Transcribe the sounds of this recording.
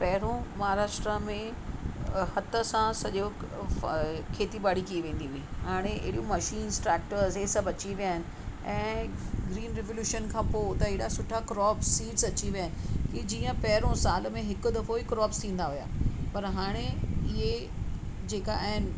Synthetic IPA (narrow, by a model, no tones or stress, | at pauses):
pɐɦɪɾõmɐɦaɾaːʃʈɾəmẽ | hɐt̪ə̆sãsɐʄo | kʰeːt̪iɓaːɽikiʋẽːn̆d̪iɦʊɦiɦaːɽ̃eʔɪ̰ɦɪɽijõmɐʃiːnsʈɾɛːk̚ʈəɾzesɐbʱɐt͡ɕiʋijaːɦɪnɪ̆ɛ̃ːɡɾiːnɾeʋoljuːʃənkʰãːpoːt̪ɐɪːɽasʊʈʰakɾɔːpsːiːʈzɐt͡ɕiʋijaːɪnɪ̆kid͡ʑiːə̃pɐɦɾõsaːlmẽɦɪkʊ̆d̪ɐfoikɾɔːpst̪ʰĩːnd̪aɦʊja̰ːpɐɾɦaːɽ̃eɪɦe | d͡ʑeːkaɛɦɪn̆